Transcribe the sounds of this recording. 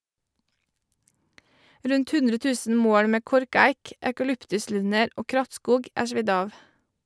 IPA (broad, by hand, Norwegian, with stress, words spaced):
ˈɾʉnt ˈhʉndɾə ˈtʉːsn̩ ˈmoːɽ ˈmeː ˈkɔɾˌkæɪk ækɑˈlʏptʉˌslʉnəɾ ˈoː ˈkɾɑtˌskuːɡ ˈæː ˈʃʋɪd ˈɑːʋ